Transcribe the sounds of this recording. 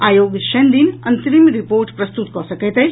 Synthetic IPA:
aːjoːɡit̪ʃɐnd̪inɐ̃nt̪ɾimɾipoːɾʈpɾɐst̪ut̪kɔsɐket̪ɦɛ

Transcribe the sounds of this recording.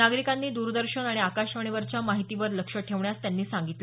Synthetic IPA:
naɡɾikanːiːd̪uɾd̪əɾɕənaɽ̃iakaɕʋəɳ̃iʋəɾt͡ɕamaɦit̪iːʋəɾləkʂəʈʰeʋɳjast̪janːiːsãŋɡit̪le

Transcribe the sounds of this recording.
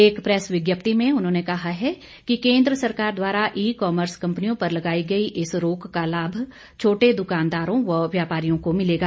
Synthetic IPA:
eːkpɾɛsʋɪɡjəpt̪imẽʊnɦõːnekɐɦaɦɛ | kikẽːnd̪ɾəsɐɾkaːɾd̪waːɾaʔiːkɔːməɾskɐ̃mpnijõpɐɾlɐɡaːiɡɐiʔɪsɾoːkːalaːbʱ | t͡ʃʰoːʈed̪ʊkaːnd̪aːɾõʋɐʋjaːpaːɾijõkomɪleːɡaː

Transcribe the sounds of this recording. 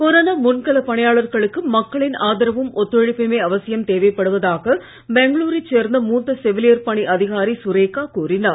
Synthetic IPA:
kɔɾɐːnɐmʊnkɐɭɐpɐɳɪjaːɭɐɾɣɐɭɯkːɯmɐkːɐɭɪnaːðɪɾɐʋɯmɔt̪ːɔɻɪpːɪmeːɐʋɐsɪjɐmt̪eːʋɐjpːɐɽɯʋɐðaːɣɐ | bɛŋɡɭuːɾit͡ʃːeːɾnd̪ɐmuːt̪ːɐsɛʋɪlɪjɐɾpɐɳiʔɐðɪɣaːɾisʊɾeːkːaːkuːrɪnaɾ

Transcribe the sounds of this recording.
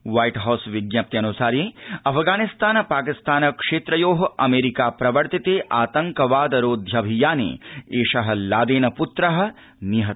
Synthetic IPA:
ʋaːjʈɦɐːsʋɪɡjɐp̚t̪iɐnusaːɾjẽːɐpʰɡaːnist̪aːnɐpaːkist̪aːnɐkʂeːt̪ɾɐjoːɦɐɐmeːɾikaːpɾɐʋɐɾt̪it̪eːʔaːt̪ɐŋkɐʋaːd̪ɐɾoːd̪ʱjɐbʱijaːnḛːeːʃɐɦɐ̆laːd̪eːnɐput̪ɾɐɦɐ̆ | niɦɐ

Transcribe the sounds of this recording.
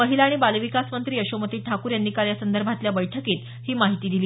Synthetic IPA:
əɦilaːɽ̃ibalʋikasmənt̪ɾiːəɕomət̪iːʈʰakuːɾjanːiːkaljasənd̪əɾbʱat̪ljabəjʈʰəkiːt̪ | hiːmaɦit̪iːd̪iliː

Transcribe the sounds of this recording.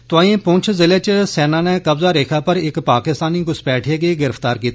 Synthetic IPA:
t̪ʊãːĩːpʊ̃ːt͡ʃʰzɪleːt͡ʃsɛːnãːnɛːkəbzaːɾeːkʰaːpəɾɪkpaːkɪst̪aːniːɡʊspɛːʈʰeːɡeːɡɪɾəft̪aːɾkiːt̪ː

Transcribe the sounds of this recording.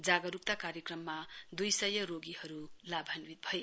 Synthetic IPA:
d͡zaɡʌɾup̚t̪akaɾjʌkrʌmːad̪ujsʌjʌɾoɡihʌɾulabʱanwit̪̚bʱʌj

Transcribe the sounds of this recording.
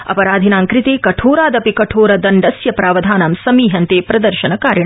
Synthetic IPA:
ɐ̰pɐɾaːd̪ʱinaːŋkɾɪt̪eːkɐʈʰoːɾaːd̪ɐpikɐʈʰoːɾɐd̪ɐɳɖɐsjɐpɾaːʋɐd̪ʱaːnamsɐmiːɦɐnt̪eːpɾɐd̪ɐɾʃɐnɐkaːɾjɐɳ

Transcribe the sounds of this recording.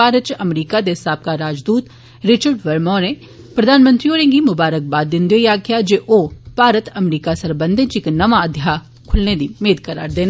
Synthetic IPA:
aːɾət͡ʃɐmɾiːkad̪esaːp̚kaɾaːd͡ʒd̪uːt̪ | ɾɪt͡ʃəɾɖʋɐɾmɔːɾẽː | pɾɐd̪ʱaːnmə̃nt̪ɾioːɾẽːŋɡimʊbaːɾək̚baːd̪ɪnd̪jojaːɡjad͡ʒeʔoːpaːɾət̪ɐmɾiːkasɐɾbə̃nd̪ʱɪt͡ʃɪknɐʋaɐd̪ʱja | kʰʊlned̪imeːd̪kɐɾa̰ːɾd̪eːna

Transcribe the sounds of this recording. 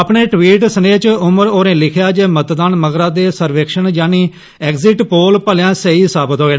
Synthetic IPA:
əpɳeːʈʋiːʈsəneːt͡ʃʊməɾoːɾẽːlɪkʰjaːd͡ʒeːmət̪d̪aːnməɡɾãːd̪eːsəɾʋeːkʃənd͡ʒaːniː | ɛːkzɪʈpoːlpəljãːsəiːsaːbət̪ɦoːeːn

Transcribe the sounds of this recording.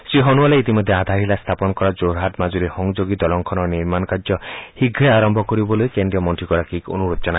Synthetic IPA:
sɾiɦɔnualeit̪imɔd̪ʱːead̪ʱaɾɦilast̪ʰapɔnɔkɔɾad͡ʒoɾɦaʈmad͡ʒuɾehɔŋd͡ʒoɡit̪ɔlɔŋkʰɔnɔniɾmanɔkaɾd͡ʒɔhiɡʱɾeaɾɔmbʱɔkɔɾibɔlujkend̪ɾiɔmɔnt̪ɾikɔɾakiko̰nuɾot͡ʃɔna

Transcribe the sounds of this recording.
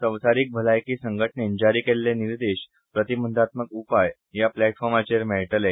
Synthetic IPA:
səʋsaɾiːk̚bʱəlajkiːsəŋɡəʈʰɳend͡ʑaɾikelːeniɾd̪eɕ | pɾət̪ibənd̪ʱat̪məkupaj | japlæʈfɔɾmat͡ɕeɾmɛɭʈəle

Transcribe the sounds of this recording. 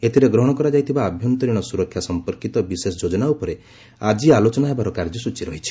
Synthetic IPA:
et̪ʰiɾeɡɾɔɦɔɽ̃ɔkɔɾad͡ʒajt̪ʰibaːbʱjɔnt̪ɔɾiɽ̃ɔsuɾɔkʰjasɔmpɔɾkit̪ɔbisesɔd͡ʒod͡ʒɔnaupɔɾe | ad͡ʒialot͡ʃɔnaɦebaɾɔkaɾd͡ʒɔsut͡ʃiɾɔɦit͡ʃʰi̥

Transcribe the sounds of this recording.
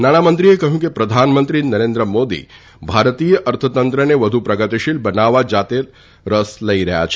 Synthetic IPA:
naːɽ̃amənt̪ɾiekɐɦũkipɾɐd̪ʱaːnmə̃nt̪ɾinɐɾẽːnd̪ɾəmoːd̪ḭː | bʱaːɾət̪iːjəʔɐɾt̪ʰət̪ɐnt̪ɾəneʋɐd̪ʱupɾɐɡət̪iʃilbɐnaːʋad͡ʒaːt̪e | ɾɐslɐiɾɐɦja̰t͡ʃʰ

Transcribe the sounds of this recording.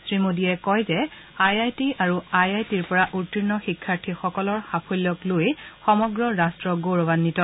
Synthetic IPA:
sɹimodiɛkɔjzɛ | ajajtiaɹuajajtiɹpɔɹaʔutiɹnɔxikʰːaɹtʰixɔkɔlɔɹxapʰolːɔklojxɔmɔɡɹɔɹastɹɔɡoɹɔbanːitɔ

